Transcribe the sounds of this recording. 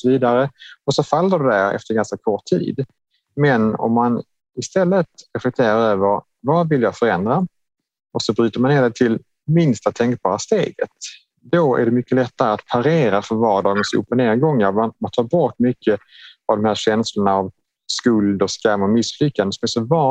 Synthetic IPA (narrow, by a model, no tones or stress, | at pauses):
sɔviːd̪aɾəɔsɔfalːəɖɛdæɾɛ̰ft̪əɾɡanskakʰɔʈʰːḭːd̪ | mɛnɔ̰mːan | ɪst̪ɛlːət̪ɾɛflɛk̚t̪ʰeːɾaɾøːvəɾ | vavɪljɑːfœɾɛnd̪ɾa | ɔksɔbɾyːt̪əɾmaneːdɛt̪ʰɪl | mɪnst̪at̪ʰɛŋk̚b̥ɑːɾast̪ḛːɡət̪̚ | d̪̥ɔæ̰ɖɛmʏkːəlɛt̪ːaɾəat̪pʰaɾeːɾafœɾvɑːɖɑːɡənsʉ̰ːpːɔneːɾɡɔŋːəɾmanmant̪ʰɑːɾbɔʈːmʏkʰːəavd̪ɔmhæːɾɕɛnslʊnaːv | skɵld̪ɔskamːɔmɪslʏkːand̪əsɔmɛsɔvɑ